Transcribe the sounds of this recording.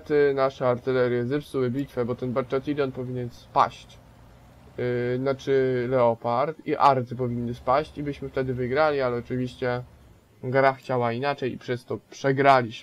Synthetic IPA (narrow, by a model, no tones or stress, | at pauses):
t̪ɘnaʂɛaɾt̪ɘlɛɾʲjɛzɛpsuwɘbʲit̪fɛbɔt̪ɛnbaɾt͡ʂɛt̪id̪ɔnpɔvʲiɲɛnspa̰ɕt͡ɕ | nat͡ʂɘlɛɔpaɾt̪iʔaɾt̪ɘp̬ɔvʲinːɘspaɕt͡ɕibɘɕmɘft̪ɛd̪ɘvɘɡɾalʲialɛɔt͡ʂɘvʲiɕt͡ɕɛ | ɡɾaxt͡ɕawainat͡ʂɛjḭpʂɛst̪ɔpʂɛɡɾalʲiɕ